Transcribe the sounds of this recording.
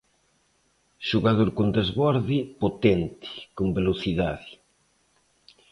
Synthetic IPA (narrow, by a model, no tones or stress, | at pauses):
ʃuɣað̞oɾkond̪ezβɔɾðipot̪ɛnt̪ɪ̥kombeloθiðaðɪ